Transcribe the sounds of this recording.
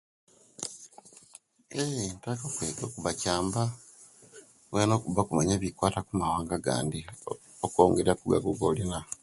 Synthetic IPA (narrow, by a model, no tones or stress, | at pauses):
eintakokweːɡo̞kuβacaːmba | weno̞ːkuβakumaɲeːβikwaːtakumawaːŋɡaɡa̰ːndi | okoːŋɡeɾakuɡa̰ɡoɡolina